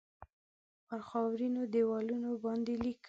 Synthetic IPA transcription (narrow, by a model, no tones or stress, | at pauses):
pəɾxɑwɾinod̪ewɑlunobɑnd̪elik